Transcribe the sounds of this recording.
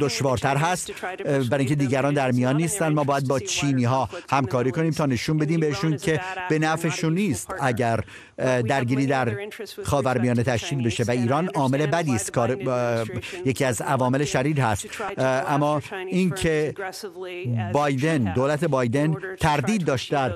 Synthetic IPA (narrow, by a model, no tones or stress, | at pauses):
d̪oʃvɒːɾt̪ʰæɾɦæst̪bæɾɑːiŋcʰʲed̪iːɟæɾɒːnd̪æɾmijɒːnːiːst̪ænd̪mɒːbɒːjæd̪̚bɒːt͡ʃʰiːniːɦɒːhæmkʰɒːɾiːkʰo̞niːmt̪ʰɒːne̞ʃuːnbe̞d̪iːmbeheʃuːncʰe̞b̥e̞næfeʃunːiːst̪æɟæɾ | d̪æɾɟiːɾiːd̪æɾxɒːvæɾmijɒːnet̪ʰæʃciːd̪be̞ʃe̞væiːɾɒːnɒːme̞le̞bæd̪iːst̪kʰɒːɾ | jecʰiːæzævɒːme̞leʃæɾiːd̪hæst̪ʔæmːɒːincʰe | bɒːjd̪e̞nd̪oːlæt̪ʰe̞bɒːjd̪e̞nt̪ʰæɾd̪iːd̪̚ːɒːʃt̪̚d̪æɾ